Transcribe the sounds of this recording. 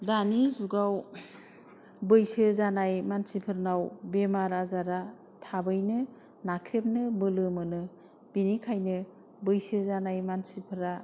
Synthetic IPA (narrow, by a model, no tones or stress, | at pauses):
danizuɡaw | bɯjsɯzanajmansipʰɯɾnawbemaɾazaɾa | tʰabɯjnɯ | nakʰɾep̚nɯbɯlɯmɯnɯ | b̥inikʰajnɯ | bɯjsɯzanajmansipʰɯɾa